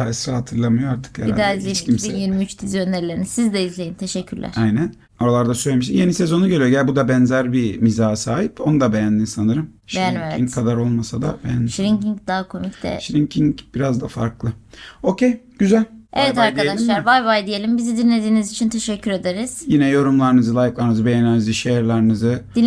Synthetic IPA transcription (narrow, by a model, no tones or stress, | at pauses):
aɛsɾahat̪ʰɯɾlˠamɯjoaɾt̪ʰɯ̥kjæ̰id̪aːizlʲiʃiminjiɾmiyt͡ʃt̪ʰizijø̞nlʲeɾlʲe̞ɾinisizd̪ɛizlʲe̞jint̪ʰe̞ʃɛcʰːyɾlʲæ̰ɾajnæn | oɾalˠaɾd̪asøjlʲemiʃt̪ije̞nise̞zo̞nuɟø̞lʲijo̞ɟææbud̪abɛnzæɾbimizaːsaːɦipo̞nud̪abe̞jænd̪insanɯɾɯmʃbejænmev̰iŋkʰːad̪aɾo̞lˠmasad̪a̰bejænd̪iʃɾiŋciɲd̪aɦakʰo̞micd̪̥ɛ̰ʃɾiŋcʰiŋcb̥iɾazd̪afaɾklˠɯo̞cʰejɟyzælʲevɛt̪aɾk̪aealʲʃlˠaɾvajvajd̪ije̞lʲimbizid̪inlʲe̞d̪iːnizit͡ʃʰint̪ʰeʃɛcʰːyɾe̞d̪eɾiz̥jinɛjo̞ɾumlˠaɾnɯzɯlˠajiklˠaɾnɯzɯbe̞jenʲiniziʃeɾlʲˠaɾnɯzɯd̪in